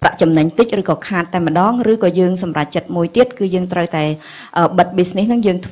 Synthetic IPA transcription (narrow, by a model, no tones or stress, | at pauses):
pra̰ʔt͡ɕɑmnəɲt̪ɨc̚rɨːkɑːkʰaːt̪ːaɛmə̆ɗɑːŋrɨːkɑːjəːŋsɑmrac̚t͡ɕət̪̚muəjt̪iət̪̚kɨːjəːŋt̪rəwt̪aɛ | ʔəːɓət̪̚ɓiːsnihnɨŋjəːŋt̪ʰ